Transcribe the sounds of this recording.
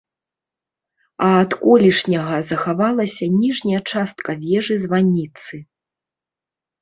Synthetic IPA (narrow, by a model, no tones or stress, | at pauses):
ɐːt̪kɔlʲiʂnʲɐɣɐzɐxavalˠɐsʲɐnʲiʐnʲɐjɐt͡ʂast̪̚kɐvʲɛʐɨzvanʲːit̪sɨ